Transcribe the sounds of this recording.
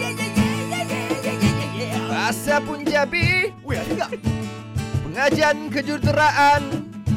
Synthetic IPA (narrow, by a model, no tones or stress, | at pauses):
rasapʊnd͡ʒabi | pəŋad͡ʒankəd͡ʒut̪əɾaʔan